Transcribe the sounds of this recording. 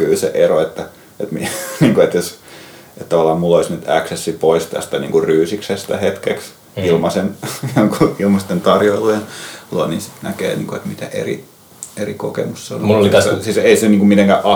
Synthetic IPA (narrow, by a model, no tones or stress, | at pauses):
kylsḛʔeroet̪ːæ | et̪miniːŋkuet̪jos | et̪t̪ɑʋɑlːˑɑːmmulːoisnyt̪æksesːipoist̪æ̰st̪ænḭːŋkuryːsiksest̪æhet̪keks | ilmɑsenjoŋkuilmɑst̪ent̪ɑrjoilunlonḭːsi̥t̪nækḛːnḭːŋkuet̪mit̪æʔḛrḭ | erikokḛmusseo̰nliæsiseiseniːŋkummit̪eŋkæʔɑ